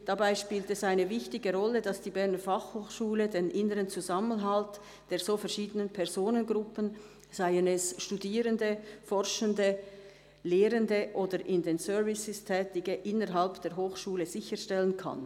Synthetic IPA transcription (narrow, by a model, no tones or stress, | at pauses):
d̥abaɪʃpiːltɛsaɪnəvɪçtɪɡəʁɔlːədɑsd̥iːbɛɐnəfɑχhoːxʃuːlədenʔɪnəʁənt͡suzamənɦalt | d̥eːɐz̥oːfɛɐʃiːdənənpʰɛʁzoːnənɡʁʊpən | z̥aɪənɛsʃtudiːʁəndəfɔʁʃəndə | leːʁəndəʔoːdəɾʔɪndensœɐvɪsɪstʰɛːtɪɡəʔɪnəʁɦalpd̥eːɐʁɦoːxʃuːləz̥ɪçəʃtɛlənkʰa̰n